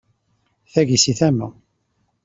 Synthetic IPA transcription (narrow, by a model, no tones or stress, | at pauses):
θæʝisiθæmæ